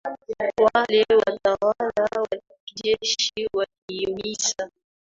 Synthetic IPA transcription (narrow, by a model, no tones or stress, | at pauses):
walewatawalawa | id͡ʒɛʃiwakiwisa